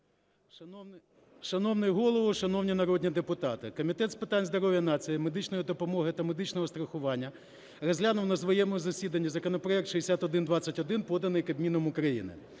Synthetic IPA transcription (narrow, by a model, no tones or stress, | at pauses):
ʃɐnɔwnɪjɦɔlˠɔʋʊʃɐnɔwnʲinɐɾɔdʲnʲid̪epʊt̪ɑt̪ɪkɔmʲit̪ɛt̪spɪt̪ɑnʲzd̪ɔɾɔʋʲjɐnɑt͡sʲijɪmed̪ɪt͡ʃnɔjid̪ɔpɔmɔɦɪt̪ɐmed̪ɪt͡ʃnɔɦɔst̪ɾɐxʊʋɑnʲːɐ | rɔzʲlʲanʊwnɐzʋɔjɛmɔʊzɐsʲid̪ɐnʲːɐzɐkɔnɔpɾɔɛkt̪ʃɪesʲat̪ɔd̪ɪnd̪ʋɑt͡sʲɐtʲɔd̪ɪnpɔd̪ɐnɪjkɐbʲmʲinɔmʊkɾɐjḭnɪ̰